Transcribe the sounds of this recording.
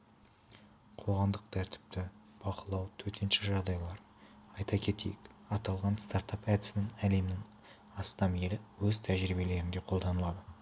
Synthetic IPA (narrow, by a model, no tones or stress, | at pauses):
qʰo̞ʁɑmd̪əq̚t̪ʰæɾt̪ɪ̥p̚t̪ɪ | b̥ɑqəlˠɑwt̪ʰɵɾt̪ʰenʃɪʒɑʁd̪ɑjlˠɑɾ | ɑjt̪ɑkʲʰe̞t̪e̞̰jɪkɑt̪ɑlˠʁɑnst̪ɑɾt̪ɑpæd̪ɪsɪnɪŋæle̞mnɪŋ | ɑst̪ɑme̞lɪwɵzt̪ʰæʒɾibe̞le̞ɾɪnd̪e̞qʰo̞lˠd̪ɑnəlˠɑd̪ə